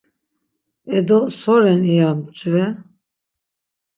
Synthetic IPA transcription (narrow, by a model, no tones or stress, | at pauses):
ɛd̪ɔsɔɾɛnijamt͡ʃʼuvɛ